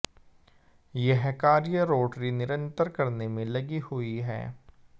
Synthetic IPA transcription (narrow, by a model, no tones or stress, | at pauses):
jeɦɛkaːɾijəɾoːʈɾinɪɾə̃nt̪əɾkɐɾnemẽlɐɡihʊiɦɛ̰ː